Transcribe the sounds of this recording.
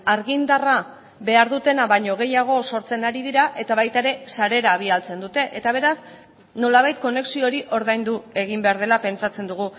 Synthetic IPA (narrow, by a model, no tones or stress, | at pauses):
aɾɣind̪ara | βe̞aɾðut̪e̞naβajɲo̞ɣ̞e̞jaɣ̞o̞so̞ɾt͡se̞naɾiðiɾaʔe̞t̪aβajt̪aeɾe̞saɾe̞ɾaːβ̞ialt͡se̞nd̪ut̪e̞ʔet̪aβ̞e̞ɾas | no̞laβajt̪̚ko̞ne̞ksio̞ɾiʔo̞ɾðajnd̪ue̞ɣ̞imbe̞aɾð̞e̞lape̞nt͡sat͡se̞nd̪uɣu